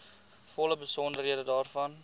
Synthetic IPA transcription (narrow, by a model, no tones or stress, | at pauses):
fɔləbəsɔndərɦiədədɑːrfɐn